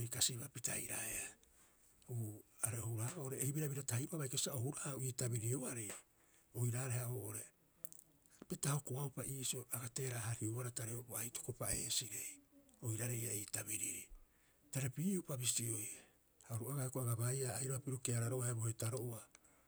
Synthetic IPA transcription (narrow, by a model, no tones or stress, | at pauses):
ojkasiβapitʰa̰jɾa̰ea | uaɾeoouɾahaoːʔoɾe̞ːhibiɾabiɾatahajɾoaβajkasiaʔohuɾaoiːtabiɾioaɾej | ojɾaːɾehaoʔoɾe̞ | pitahokoawpaʔiːsioaɡate̞ːɾaɦaɾioaɾataɾeoboajto̥ko̞pae̞̰ːsiɾe̞jojɾaɾejaiːtabiɾiɾi | taɾepiːupabisio̞j | haɾuʔaɡahekoaɡaβajaːjɾoapiɾukeaɾaɾoʔaebohetaɾo̞ʔoa